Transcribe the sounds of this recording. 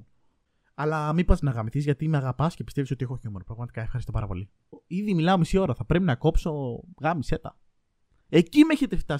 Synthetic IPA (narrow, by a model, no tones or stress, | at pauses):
ɐlɐmipɐznɐɣɐmiθizʝɐt̪imeɐɣɐpɐsce̞pist̪evisot̪iexoçiomnopɾɐɣmɐt̪ikɐefxɐɾist̪o̞pɐ̰ɾɐpo̞li | iðimilɐo̞misio̞ɾɐθɐpɾe̞pinɐko̞pso̞ɣɐmise̞t̪ɐ̰ | e̞cime̞çet̪eft̪ɐ